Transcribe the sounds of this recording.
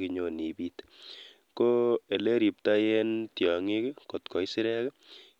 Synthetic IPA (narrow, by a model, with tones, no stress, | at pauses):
kɪ˧ɲo˦˨ni˨bit | ko˦e˨le˦ɾi˨p̚ta˦jɛ˦ntjɔ˨ŋɪ˦kɪ˦kɔ˨tkɔ˨jsɪ˦ɾɛ˦kɛ˦